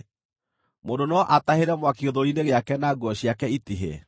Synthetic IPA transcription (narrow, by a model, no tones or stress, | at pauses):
mondonɔʔataheɾɛmwakioðoɾineɣeakɛnaɡwɔɕiakɛitiɦḛ